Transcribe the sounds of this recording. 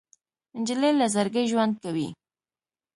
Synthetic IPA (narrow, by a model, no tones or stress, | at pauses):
ɪnd͡ʒɪlelazaɾɡəʒwand̪̚kawḭ